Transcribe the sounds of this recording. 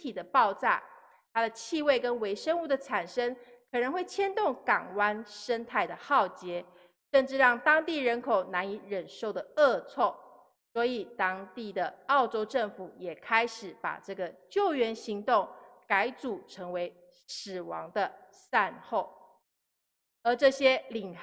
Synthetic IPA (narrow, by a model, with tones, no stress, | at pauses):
t̪ʰi˨˩d̪ə˦pɑ˥˧ʊt͡sa̰˥˩ | t̪ʰa˥d̪ə˨t͡ɕʰi˥˧we˥˩ɪkə˦˥nwe˧˥ɪʂə˥ŋu˥˩d̪ə˩ʈ͡ʂʰa˨˩nʂə˥ŋ | kʰɤ˨˩nə˧˥ŋxwe˥˩ɪt͡ɕʰjɛ˥nt̪ʊ˥˩ŋkɑ˨˩ŋwa˥nʂə˥nt̪ʰa˥˩ɪd̪ə˩xɑ˥˩ʊt͡ɕjɛ˧˥˦ | ʂə˥˧nʈ͡ʂɻ̩˥˧ɻɑ˥˩ŋt̪ɑ˥ŋt̪i˥˩ɻə˧˥nkʰo˨˩ʊna˧˥ni˧˥˦ɻə˨˩nʂo˥˩ʊd̪ə˩ə˥˧t͡sʰɔ˥˩ | swɔ˧˥i˨˩t̪ɑ˥ŋt̪i˥˩d̪ə˩ɑ˥˩ʊʈ͡ʂo˥ʊʈ͡ʂə˥˩ŋfu˨˩˦jɛ˨˩kʰa˥ɪʂɻ̩˨˩˦pa̰˨˩ʈ͡ʂɤ˥˩ɡə˩t͡ɕjo˥˩ʊɥɛ˧˥nɕi˧˥ŋt̪ʊ˥˩ŋka˧˥ɪt͡su˨˩ʈ͡ʂʰɤ˧˥ŋwe˧˥˦ɪ | sɹ̩˨˩wɑ˧˥ŋd̪ə˧ | sa˥˧nxo˥˩ʊ | ə˧˥ʈ͡ʂɤ˥˧ɕjɛ˥li˨˩ŋ